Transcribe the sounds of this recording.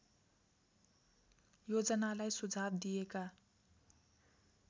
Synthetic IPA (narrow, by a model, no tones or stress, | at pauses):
jod͡zʌnalajsud͡zʱat̪d̪ijeka